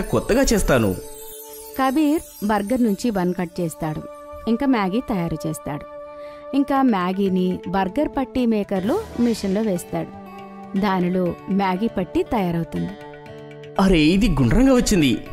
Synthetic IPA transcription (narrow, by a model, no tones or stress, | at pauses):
kɔt̪ːɐɡaːt͡ʃeːst̪aːnṵ | kɐbiːɾ | bɐɾɡɐɾnuɲt͡ʃibɐnkɐʈ̚t͡ʃɛːst̪aːɽu | iŋkaːmjaːɡit̪ɐjaːɾut͡ʃeːst̪aːɽu | iŋkaːmaːɡiːnibɐɾɡɐɾpɐʈːimɛːkɐɾloːmiʂɐnloːʋeːst̪aːɽu | d̪aːniloːmjaːɡipɐʈːit̪ɐjaːɾɐwt̪und̪i | ɐɾe̞ːid̪iɡuɳɖɾɐŋɡaːʋɐt͡ʃːind̪ḭ